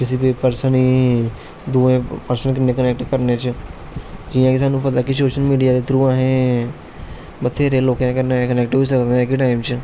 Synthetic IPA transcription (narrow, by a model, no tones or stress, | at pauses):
ɪsipipəɾsəniː | d̪uːẽːpəɾsənk̬ɪnẽːkənɛːk̚ʈkəɾneːt͡ʃ | d͡ʒɪːãːkɪsaːnũːpət̪aːkɪsoːʃəlmiːɖijaːd̪et̪ʰɾuːãːɦẽː | bət̪ʰeːɾeːloːkãːkɪnẽkənɛːk̚ʈɦois̬əkd̪ɛ̃ːkʈaːɪmt͡ʃ